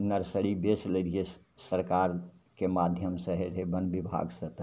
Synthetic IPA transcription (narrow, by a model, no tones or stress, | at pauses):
nəɾsəɾibesləɾie | səɾkaɾkemad̪ʱjəmsə̃ɦeɾɦebənbibʱa̰ɡsə̃t̪